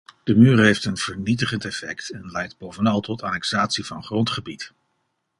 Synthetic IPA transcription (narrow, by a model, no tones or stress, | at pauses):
d̥əmyːrɦejftənv̥əɹnit̬əχəntɛfɛ̰ktɛnlɛjt̚bowvənɑlˠtɔtaːnɛksaːtsivɑnχrɔntχəbit